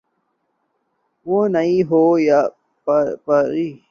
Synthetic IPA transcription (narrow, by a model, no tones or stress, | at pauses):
wonaiɦoja | ppəɾi